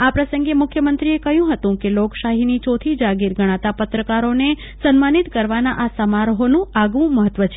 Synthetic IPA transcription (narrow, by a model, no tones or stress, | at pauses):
apɾəsəŋɡemʊkʰjəmənt̪ɾiekəɦjũɦət̪ũkelokʃaɦinit͡ʃot̪ʰid͡ʒaɡiɾɡʱəɽ̃ãt̪apət̪ɾəkaɾone | sənmanit̪kəɾʋanaʔasəmaɾɦonũaɡʋũməɦət̪ːʋət͡ʃʰ